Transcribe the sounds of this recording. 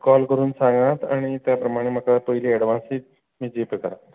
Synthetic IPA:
kɔlkəɾuːnsãŋɡat̪aɽ̃it̪japɾəmaɽ̃em̤əkapəɦiliːɛɽʋãsiːt̪ | miːd͡ʑepɾəkaɾat̪

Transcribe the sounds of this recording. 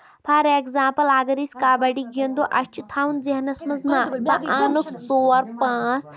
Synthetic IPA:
pʰɐɾekzãːmpɐlaɡɐɾisʲkaːbɐɽiɡiɐnd̪oːʔɐʃt͡ʃut̪ʰaːunzeɦnɐsmɐznab̪ɐʔãːnukʰt͡soːɐɾpãːt͡s

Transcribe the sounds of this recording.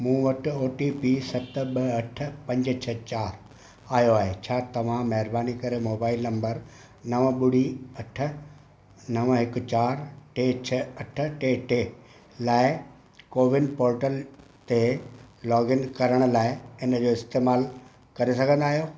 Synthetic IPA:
mũːʋɐʈɪ̆oːʈipisɐt̪ɓɐɐʈ̆ʰpɐ̃ɲd͡ʑt͡ɕʰɐt͡ɕaːɾ | aːjoaːɦet͡ɕʰaːt̪ɐʋ̤ãmɐɦɪɾbaːnikɐɾemoːbaːɪlnɐ̃mbəɾ | nɐʋə̃ɓʊɽ̤iɐʈʰə̆ | nɐʋə̃ɦɪkʊ̆t͡ɕaːɾʈeːt͡ɕʰɐɐʈ̆ʰʈeːʈeː | laːɪ | koːʋɪnpoːɾʈəl | t̪elɔːɡɪnkɐɾəɽ̃ʊ̆laːɪɪnə̆d͡ʑoːɪst̪eːmaːl | kɐɾesɐɡʱə̃nd̪aːɦijo

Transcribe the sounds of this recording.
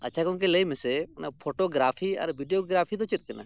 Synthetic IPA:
ɐ̰tːʃʰakʊ̃nkeləimesepʰoːʈoːɡɾaːpʰiːə̰ɾʋiːɖijoːɡɾaːpʰit̪ot͡ʃɪɾ̚kəna̰ː

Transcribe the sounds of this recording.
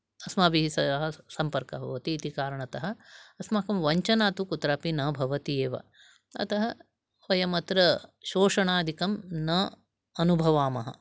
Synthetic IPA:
ɐsmaːbiɦisɐɦɐsɐmpɐɾkɐbʱɐ̰ʋɐt̪iːt̪ikaːɾɐɳɐt̪ɐɦɐ̆ɐsmaːkɐmʋɐɲt͡ʃɐnaːt̪ukut̪ɾaːpinɐbʱɐʋɐt̪ieːʋɐ̰ | ɐ̰t̪ɐɦɐ | ʋɐjɐmɐt̪ɾɐʃoːʂɐɳaːd̪ʱikɐmnɐ | ɐnubʱɐʋaːmɐɦɐ̰

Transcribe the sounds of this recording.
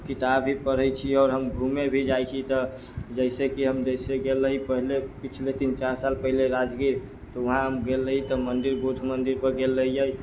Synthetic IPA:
kit̪abɦipəɾ̤əjt͡ʃʰiɔːɾɦəmɡʱumebʱid͡ʒajt͡ʃʰit̪ɔ | d͡ʒəɪsekiɦəmd͡ʒəɪseɡelːəɦipəɦilepit͡ʃʰlet̪int͡ʃaɾsalpəɦileɾad͡ʒɡiɾ | t̪ɔəɦãɦəmɡelːəɦit̪ɔmənd̪iɾbud̪ʱmənd̪iɾpəɾɡelːəɦijəj

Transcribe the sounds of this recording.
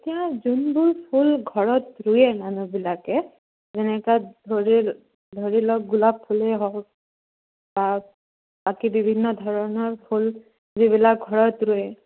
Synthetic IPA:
etijazunbʊlpʰulɡʱɔɹɔtɹʊjɛmanubilakɛ | zɛnɛkadʱoɹi | dʱoɹilɔk̚ɡulapʰːulɛɦɔ | ba | b̥akibibʱinːɔdʱɔɹɔnɔɹpʰul | ziβilak̚ɡʱɔɹɔtɹʊjɛ

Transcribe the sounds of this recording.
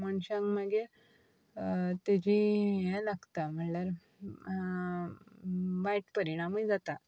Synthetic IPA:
məɳɕãŋɡmaɡe | t̪ed͡ʑijɛ̃laɡt̪am̤əɳlaɾ | ʋajʈpəɾiɽ̃amid͡zat̪a

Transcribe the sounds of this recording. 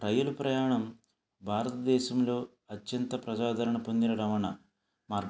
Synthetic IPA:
ɾɐjɐlupɾɐjaːɳɐm | bʱaːɾɐt̪ɐd̪ɛːʃɐmlo̞ː | ɐtjɐnt̪ɐpɾɐd͡ʒaːd̪ʱɐɾɐɳɐpo̞nd̪inɐɾɐʋɐɳɐ | maːɾɡ

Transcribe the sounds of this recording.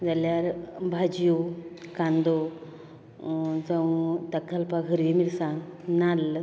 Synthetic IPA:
d͡zaljaɾbʱad͡ʑjukãnd̪o | d͡zə̃wt̪əkːəlpaɡʱəɾʋimilsãnal

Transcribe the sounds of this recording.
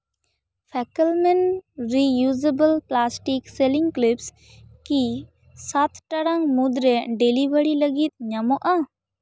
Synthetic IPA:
pʰɛkəlmɛnɾijud͡ʒebəlplasʈikseliŋklips | ki | sat̪ʈaɽaŋmud̪ɾɛɖelibʱəɽiləɡit̪̚ɲamɔʔa

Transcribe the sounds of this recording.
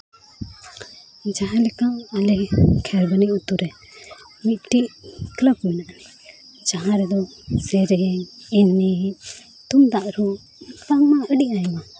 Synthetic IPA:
d͡ʒaɦãlɛkamalɛkʰɛɾbəniʔut̪uɾɛ | mit̪̚ʈiʔkləb̚kuinaʔnɛ | d͡ʒaɦãɾɛd̪ɔsɛɾɛɛnːi | t̪umd̪aʔɾu | p̪aŋmaəɗiʔajma

